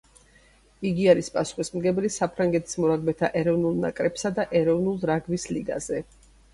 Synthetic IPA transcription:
iɡiaɾispʼasu̥χismɡɛblisapʰɾaŋɡɛt̪ʰi̥smɔɾaɡmɛt̪ʰaʔɛɾɔvnulˠna̰kʼɾɛpsad̪aʔɛɾɔvnulˠɾaɡvisliɡa̰zɛ

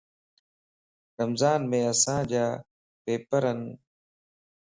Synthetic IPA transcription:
ɾəmzaːnmẽːəsãːd͡ʑaː | peːpəɾən

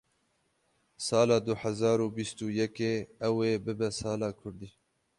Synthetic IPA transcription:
sɑːlaːd̪ʊhazɑːɾuːbist̪uːjɐkeːɐweːbɪbɐsɑːlɑːkʰʊɾd̪iː

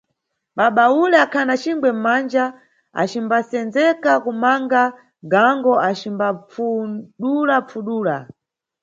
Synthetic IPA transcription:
ɓaɓaulɛakʰanat͡ʃiŋɡwɛm̩mand͡ʒa | a̰t͡ʃimbasɛnzɛkakumaŋɡa | ɡaŋɡɔʔat͡ʃimbafuɗulap͡ffuɗuːla̰

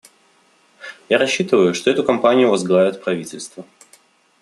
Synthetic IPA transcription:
jaɾɐɕːit̪ɨvəjʊʂt̪oɛt̪ʊkɐmpanʲɪjʊvɐzɡlˠavʲɪt̪pɾɐvʲitʲɪlʲst̪və

